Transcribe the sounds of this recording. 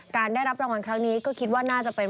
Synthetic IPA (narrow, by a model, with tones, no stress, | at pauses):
kaː˧ndaː˥˩jɾa˦˥p̚ɾa˧wa˧nkʰɾa˦˥ŋniː˦˥kɔː˥˩kʰi˦˥t̪̚waː˥˩naː˥˩t͡ɕa˨˩ʔpe˧n